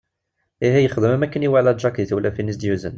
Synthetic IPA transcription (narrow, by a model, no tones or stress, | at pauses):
iɦijəχd̪əmmækænjiwaʕlæʒɑkit̪wəlːæfinːisd̪juzə̰n